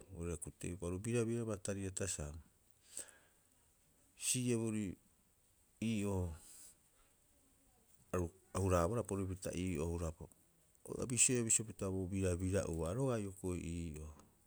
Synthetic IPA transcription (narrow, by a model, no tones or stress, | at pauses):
oɾiakutḛjpaɾubiɾaβiɾaβataɾiatasam | sieβuɾi | iːʔo | aɾuahuɾaβaɾapoɾip̬ita̰ʔiːʔohuɾapa | o̰a̰bisiojaβisiopitaβobiɾabiɾaʔuβaːɾoɡajokojʔiːʔo